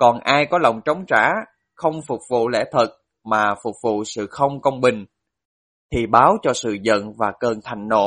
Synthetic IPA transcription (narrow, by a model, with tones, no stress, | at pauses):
kɔ˨˩nʔaː˧jkɔ˨˦lə˨˩wŋ͡mt͡ɕə˨˦wŋ͡mt͡ɕa̰ː˧˥ | xə˧wŋ͡mfʊ˨˩k͡p̚vṵ˧˨lɛ̰˧˥t̪ʰə˨˩t̚ | maː˨˩fʊ˨˩k͡p̚vṵ˧˨sɨ̰˧˨xə˧wŋ͡mkə˧wŋ͡mɓï˨˩ŋ̟ | t̪ʰi˨˩ɓaː˨˦wt͡ɕɔ˧sɨ̰˧˨zə̰˧˨nvaː˨˩kəː˧nt̪ʰa˨˩jŋ̟no̰˧˨